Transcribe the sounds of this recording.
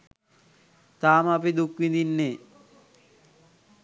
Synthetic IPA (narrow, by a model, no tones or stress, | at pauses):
t̪aːməapid̪ukʋid̪inːeː